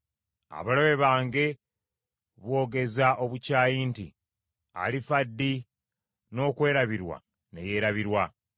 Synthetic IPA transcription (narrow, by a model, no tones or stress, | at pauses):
a̰βaloβe̞βaːŋɡe̞ | βwo̞ːɡe̞zaʔo̞βucaːjinti | a̰lifadːi | no̞ːkwe̞ːɾaβiɾwa̰ | ne̞̰je̞ːɾaβiɾwa